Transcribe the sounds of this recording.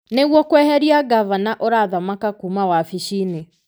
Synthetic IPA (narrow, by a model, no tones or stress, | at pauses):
neɣwɔkwɛhɛɾiaɡavanaʔɔɾaðamakakumawafiʃine